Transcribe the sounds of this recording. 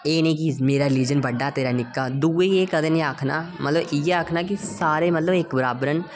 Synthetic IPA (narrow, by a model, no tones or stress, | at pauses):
eːnẽːk̬iːzmeːɾaːɾɪliːd͡ʒənbəɖːaːt̪eːɾaːnɪkːaːd̪uːeeːkəd̪ẽːnẽaːkʰnaːmʔə̰t̪ləbɪjeaːkʰnaːkisaːɾeːmət̪ləbekbəɾaːbɾən